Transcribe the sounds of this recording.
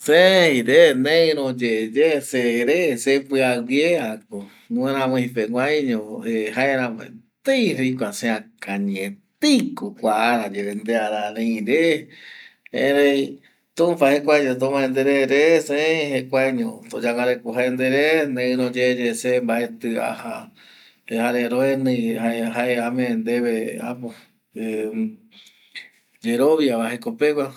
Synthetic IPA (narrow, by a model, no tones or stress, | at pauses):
sehĩɾenẽɾõd͡ʒed͡ʒeseɾesepɨawjeako | nũẽɾãmẽhĩpeŋʷaj̃ɲõehaeɾãmḛ̃t̪eiɾik̬ʷasẽakaɲẽt̪ikokʷaʔaɾad͡ʒeɾend̪eaɾaɾẽĩɾe | ḛ̃ɾei | t̪ũmpahekʷajɲõt̪̬õmãẽnd̪eɾeɾeseẽĩhekʷaɲõ̰t̪od͡ʒaŋaɾekuɦaend̪eɾenẽɨ̃ɾõd͡ʒed͡ʒesembaʔet̪ɨa̰ha | ehaɾeɾoenɨ̃jaeɦaeamẽend̪eβea̰po | d͡ʒeɾoβjaβaɦekopekʷwʷa